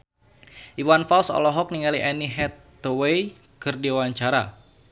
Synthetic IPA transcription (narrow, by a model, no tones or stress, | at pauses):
ʔiwanfalsɔ̰lɔɦɔk̚niŋaliʔɛniɦɛt̪ː | owej | kɨrdiawaɲt͡ʃaɾa̰